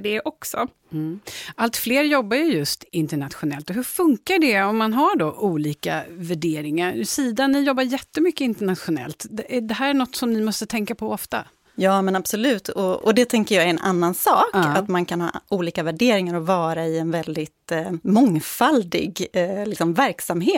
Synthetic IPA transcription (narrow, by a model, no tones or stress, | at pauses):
ɖɛʔɔksɔ | ʔalt̪fleːɾjɔbːajɵjɵst̪ɪnt̪əɳat̪ɧʊnɛlt̪ɔɦɵfɵŋkaɖɛɔmːanɦaɖɔʔuːliːka̰væɖeːɾɪŋaɾsiːd̪anːɪjɔbːaɾjɛt̪ːəmʏkːəɪnt̪əɳat̪ɧʊnɛ̰lt̪d̪ɛd̪ɛɦæːɾæɳɔt̪ːsɔmnɪmɔst̪ət̪ʰɛŋkapʰɔɔft̪a̰ | jɑːmɛnab̥sɔlʉ̟ːt̪ʰɔɔd̪ɛt̪ʰɛŋkəɾjɑːɛnʔa̰nːansɑːkːat̪mankʰanhɑ̰ːuːliːkavæɖeːɾɪŋaɾɔvɑːɾaɪɛnvɛld̪ɪt̪mɔŋfald̪ɪ̰ɡlɪksɔmvæɾksamheːt̪